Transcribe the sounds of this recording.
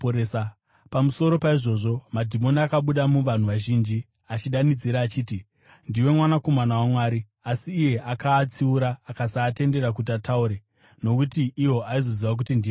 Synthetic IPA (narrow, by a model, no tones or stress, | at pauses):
esa | pamuso̞ɾo̞paiʐo̞ʐo̞madʱimo̞niakaɓuɗamuʋan̤uʋaʒiːnd͡ʒi | at͡ʃiɗanid͡ziɾaːt͡ʃiːti | ndiwe̞mwanako̞manawamwaːɾi | asiːje̞ʔakaːt͡siuɾaːkasaːte̞nde̞ɾak̬ut̬atauɾe | no̞kutiʔːwo̞ʔaizo̞ziwak̬utindi